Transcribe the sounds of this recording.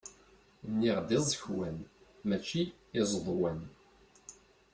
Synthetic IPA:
nːiʁd̪izˤəçwænmæt͡ʃːiː | zˤðˤwən

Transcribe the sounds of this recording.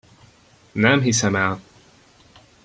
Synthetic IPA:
nɛmɦisɛmɛl

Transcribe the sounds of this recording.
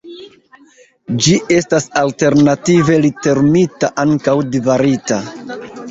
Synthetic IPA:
d͡ʒiʔe̞stasalte̞ɾnative̞lite̞ɾmitaʔaŋkawdivaɾita

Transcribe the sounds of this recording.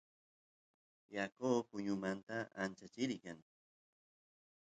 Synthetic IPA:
jakoːpʊɲʊmant̪aant͡ʃat͡ʃɪɾkaŋ

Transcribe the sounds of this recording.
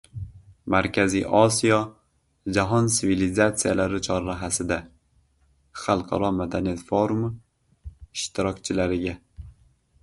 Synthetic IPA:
maɾkʲʰaziʔɒsijɒ | d͡ʒaɦɒnsɪvilizat̪sijalaɾɪt͡ʃʰɒɾːaɦasɪd̪a | χɑlˠqʰɑɾɒmad̪anijat̪foɾʊm | ɪʃt̪ʰɪɾɒkʲt͡ʃʰɪlaɾɪɡʲa

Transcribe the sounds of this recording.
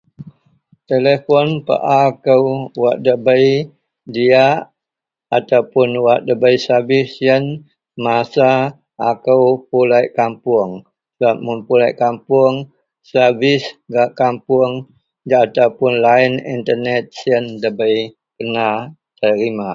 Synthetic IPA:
t̪elefɔnpə̰ʔakəwwaʔ̚dəbəj | diaʔ | at̪awpʊnwaʔ̚dəbəjsabɪsiən | masaː | kəwpulajʔkampʊəŋ | səbap̚munpulajʔkampuəŋ | səbɪsɡaʔkampuŋ | d͡ʒaat̪awpʊnlainḭnt̪ərnɛt̪̚siəndəbəj | kəna | t̪əɾima

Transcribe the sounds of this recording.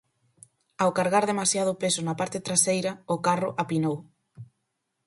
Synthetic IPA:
awkaɾɣaɾðemasjað̞ʊpesʊnapaɾt̪ɪt̪ɾasejɾɐʊkarʊʔapinow

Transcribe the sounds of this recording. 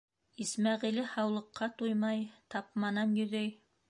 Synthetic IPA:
ismɑʁilɘhɑwlˠɤ̆qːɑt̪ujmɑjt̪ɑpmɑnɑnjɵ̆ðɘj

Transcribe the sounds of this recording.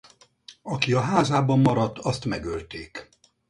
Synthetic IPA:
ɒkiɒɦaːzaːbɒmːɒɾɒt̪ːɒst̪mɛɡølt̪eːk

